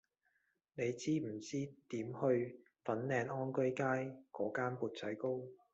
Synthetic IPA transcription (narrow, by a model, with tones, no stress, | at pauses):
ne˨˧jt͡siː˥m̩˨˩t͡siː˥t̪iː˨˥mhɵ˧ɥ | fɐ˨˥nlɛː˧nʔɔː˥nkɵ˥jkaː˥jkɔː˨˥kaː˥npuː˨˧t̚t͡sɐ˨˥jko˥w